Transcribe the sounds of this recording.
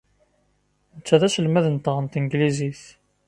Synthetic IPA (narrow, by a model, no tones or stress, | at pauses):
nət͡sːæðæsəlmæðənt̪ʁənt̪əŋɡliziθ